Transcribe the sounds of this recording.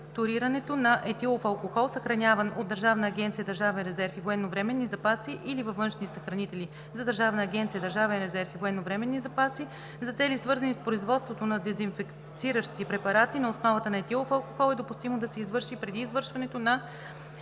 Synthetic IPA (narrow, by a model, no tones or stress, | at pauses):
t̪ʊɾiɾɐnɛt̪onɐʔɛt̪ilˠofɐlˠkoxɔlˠsɐxɾɐnʲavɐnod̪̚d̪ɐɾʒavnɐːɡʲɛnt̪siəd̪ɐɾʒavɛnɾɛzɛɾfivoɛnːovɾɛmɛnːizɐpasiʔilivɐfvɤnʃnisɐxɾɐnit̪ɛli | zɐd̪əɾʒavnɐːɡʲɛnt̪siəd̪ɐɾʒavɛnɾɛzɛɾfivoɛnːovɾɛmɛnːizɐpasi | zɐt̪sɛlisvɤɾzɐnispɾoizvɔt̪st̪vot̪onɐd̪ɛzinfɛk | t̪siɾəʃt̪ipɾɛpɐɾat̪inɐosnɔvɐt̪ənɐɛt̪ilˠofɐlˠkoxɔlˠɛd̪opust̪imod̪ɐsɛizvɤɾʃipɾɛd̪iːzvɤɾʃvɐnɛt̪onɐ